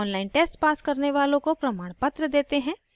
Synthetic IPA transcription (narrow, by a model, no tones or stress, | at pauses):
ɔːnlaːɪnʈeːsʈpaːskɐɾneʋaːlõkopɾɐmaːɽ̃pɐt̪ɾəd̪eːt̪eɦɛ̃ː